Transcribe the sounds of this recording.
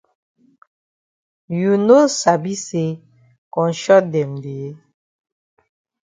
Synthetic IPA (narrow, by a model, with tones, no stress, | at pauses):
ju˨no˦sa˨bi˦se˨˦ | kɔ˨n̩˨˦ʃɔ˦dɛ˨mde˨e˦